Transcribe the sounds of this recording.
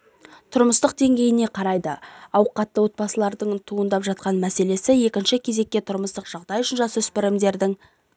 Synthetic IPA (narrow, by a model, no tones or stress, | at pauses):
t̪ʰʊɾməst̪əqd̪e̞ŋɡʲe̞jɪne̞qʰɑɾɑjd̪əɑwqɑt̪ːəwo̞t̪̚bɑsəlˠɑɾd̪əɴt̪ʰuənd̪ɑpʒɑt̪̚qɑnmæse̞le̞sɪje̞kʲɪnʃɪkʲʰe̞ze̞kʲːe̞t̪ʰʊɾməst̪əqʒ̥ɑʁd̪ɑjʏʃɪnʒɑsʏspɪɾɪmd̪e̞ɾd̪ɪŋ